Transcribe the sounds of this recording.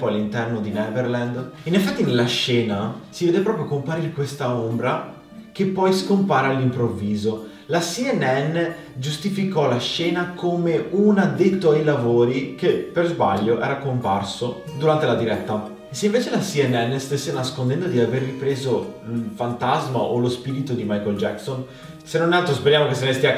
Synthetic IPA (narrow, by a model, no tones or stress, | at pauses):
pɔjalːint̪ɛrnod̪inɛverland̪inefɛt̪ːinelːaʃɛːnasiveːd̪epɾɔːpɾjokompaɾiːɾekwest̪aombɾa | k̟epːɔjskompaːɾalːimpɾovːiːzo | lasiɛnːɛnːe | d͡ʒust̪ifikɔlaʃɛːnakʰomeuːnad̪ejtt̪ːoajlavoːɾikepːerzba̰ʎːoʔɛ̰ːɾakompa̰rsod̪uɾant̪elad̪iɾɛt̪ːa | esːeiɱveːt͡ʃelasiɛnːɛnːest̪esːenaskond̪ɛnd̪od̪iaverːipɾeːzofant̪azma̰ʔo̰lospiːɾit̪od̪imajkold͡ʒɛkson | senːonalt̪ɾospeɾjaːmokesːenest̪ia